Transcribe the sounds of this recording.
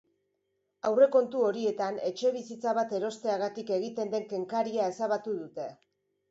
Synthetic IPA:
awre̞ko̞nt̪uo̞ɾie̞t̪ane̞t͡ʃe̞β̞isit͡saβat̪e̞ɾo̞st̪e̞aɣat̪ike̞ɣ̞it̪e̞nd̪e̞ŋke̞ŋkaɾiae̞saβat̪uðut̪e̞

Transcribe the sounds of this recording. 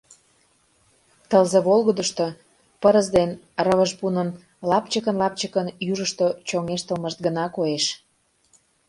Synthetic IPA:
t̪əlzeβolˠɣəd̪əʃt̪o | pəɾəzd̪en | rəβəʒbunən | lɑpt͡ɕəkənlɑp̚t͡ɕəkənjuʒəʃt̪ot͡ɕoŋeʃt̪əlməʃt̪̚ɡənɑkoeʃ

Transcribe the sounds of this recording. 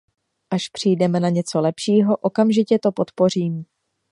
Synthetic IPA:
ʔaʃpr̝̥ijdɛmɛnaɲɛt͡so̞lɛpʃiːɦo̞ʔo̞kamʒɪcɛt̪o̞po̞t̪po̞r̝iːm

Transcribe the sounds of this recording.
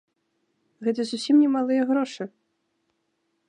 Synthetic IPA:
ɣɛt̪̬ɐzusʲimnʲɛmalˠɨjɐɣɾɔʂɨ

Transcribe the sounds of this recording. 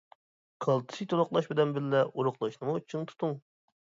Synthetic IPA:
qʰəlˠt̪ʰɨ̥sɨt̪ʰolˠʊqlˠɑʃbɪd̪ɛnbɪllːɛʔuɾʊχlˠɨʃnɨmut͡ʃʰɨŋt̪ʰu̥t̪ʰuŋ

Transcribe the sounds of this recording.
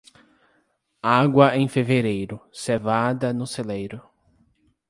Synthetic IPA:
aɡwɐẽj̃feveɾejɾʊsevad̪ɐnʊselejɾʊ

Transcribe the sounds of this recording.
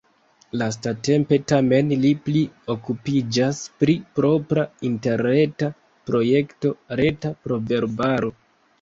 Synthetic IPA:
las̬tate̞mpe̞tame̞nliplio̞kupid͡ʒaspɾipɾo̞pɾainte̞ɾne̞ta | pɾo̞je̞kto̞ɾe̞tapɾo̞ve̞ɾbaɾo̞

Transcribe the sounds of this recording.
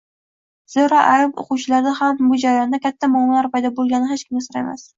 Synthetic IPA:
z̥oɾaʔajapo̰qʊwt͡ʃʰɪlaɾd̪ahambʊd͡ʒaɾajɒnd̪akʲʰat̪ʰːamɒmalaɾpajd̪ɒbolˠɡʲanɪɦet͡ʃkʲɪmɡʲasoɾaḛma̰s

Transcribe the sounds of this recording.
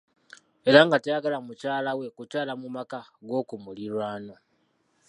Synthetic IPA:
e̞ɾaŋɡatejaɡalamucaːlawe̞kucaːlamumakaɡo̞ːkumuliɾwaːno̞

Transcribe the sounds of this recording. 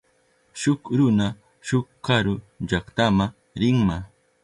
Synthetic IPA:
ʃʊkɾʊna | ʃʊkːaɾʊʎakt̪ama | ɾɪŋma

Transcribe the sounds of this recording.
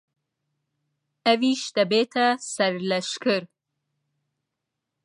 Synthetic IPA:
awiʃt̪abet̪ʰasaɾlaʃkəɾ

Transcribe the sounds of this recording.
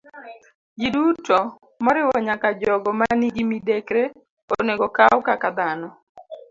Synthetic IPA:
d͡ʒidutɔ | mɔɾɪwɔɲakad͡ʒɔɡɔmaniɡimidekɾe | oneɡɔkawkakad̪anɔ

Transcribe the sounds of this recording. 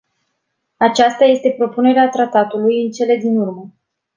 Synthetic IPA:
at͡ʃast̪aje̞st̪e̞pɾo̞pune̞ɾeat̪ɾat̪at̪ulujɨnt͡ʃe̞le̞d̪inurmə

